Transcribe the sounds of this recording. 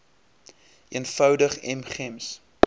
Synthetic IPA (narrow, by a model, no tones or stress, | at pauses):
iənfœwdəχɛ̰mχɛms